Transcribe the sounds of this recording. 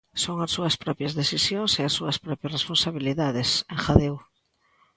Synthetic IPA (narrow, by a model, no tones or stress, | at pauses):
soŋasːuɐspɾɔpjɐzðeθisjoŋseasːuɐspɾɔpjɐsresponsaβiliðaðeseŋxaðew